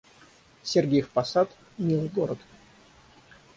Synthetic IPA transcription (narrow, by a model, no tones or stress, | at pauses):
sʲerɡʲejfpɐsat̪ | nʲilˠɡoɾət̪